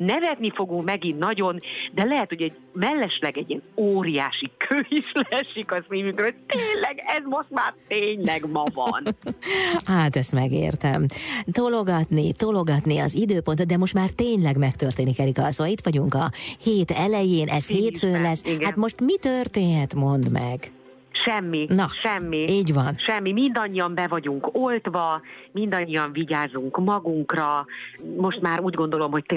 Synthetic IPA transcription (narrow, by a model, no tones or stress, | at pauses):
nɛvɛt̪nifo̞ɡuŋkmɛɡinːɒɟo̞nd̪ɛlɛɦɛt̪ho̞ɟɛɟ | mɛlːɛʃlɛɡɛɟːiɛnoːɾija̰ːʃikʰøːislɛʃikɒsiːvyŋkrot̪eːnlɛɡɛzmo̞ʃt̪maːrt̪eːɲlɛɡmɒvɒ̰n | haːt̪ɛst̪mɛɡḛːrt̪ɛ̰mt̪o̞lo̞ɡɒt̪nit̪o̞lo̞ɡɒt̪niɒ̰zid̪øːpo̞nt̪ot̪d̪ɛmo̞ʃt̪maːrt̪eːɲlɛɡmɛkt̪ørt̪eːnikɛɾikɒsoːɒlit̪ʋɒɟuŋkɒheːt̪ɛlɛjeːnʔɛsheːt̪føːnlɛsiɡhat̪mo̞ʃt̪mit̪ørt̪eːnhɛt̪mo̞nd̪mɛɡ | ʃɛmːinɒʃɛmːiiːɟʋɒnʃɛmːimind̪ɒɲːiɒmbɛvɒɟuŋkolt̪vɒmind̪ɒɲːiɒɱviɟaːzuŋkmɒɡuŋkrɒmo̞ʃt̪maːɾuːɟɡo̞nd̪o̞lo̞mɦo̞c̚t̪